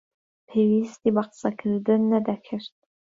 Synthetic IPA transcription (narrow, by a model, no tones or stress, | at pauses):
pʰewist̪ʼibaqsakʰɨrdɨnːadakʰɨrtʼ